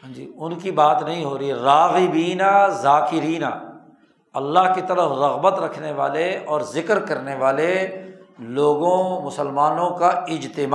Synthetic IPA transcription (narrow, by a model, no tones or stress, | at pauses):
ɦɐ̃d͡ʒḭːʊnkibaːt̪nɐɦĩɦoːɾiiɾaːɣɪbiːnazaːkɪɾiːna̰ː | ɐlːaɦkit̪ɐɾəfɾɐɣbət̪ɾɐkʰneʋa̰ːleɔːɾzɪkɾkɐɾneʋaːle | loːɡõmʊsəlmaːnõkaɪd͡ʒt̪ɪmaː